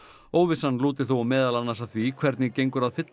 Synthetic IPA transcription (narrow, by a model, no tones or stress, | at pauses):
oːwvɪsanːluːt̪ɪ̥θuwamɛːðalanːaɾsaθvikʰvɛɾt̪nɪcejŋkʏɾaðfɪt̪